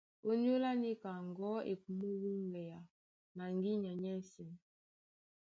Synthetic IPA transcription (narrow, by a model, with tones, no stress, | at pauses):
o˦n˦o˦la˦ni˦ka˨ŋɡɔ˨˦ḛ˨ku˨mu˦wu˦ŋɡɛ˨ja˨ | na˨ŋɡi˦ɲa˨ɲɛ˦˨sɛ˨n